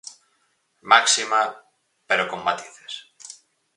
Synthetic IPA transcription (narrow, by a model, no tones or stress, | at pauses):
maksima | peɾokomːat̪iθe̥s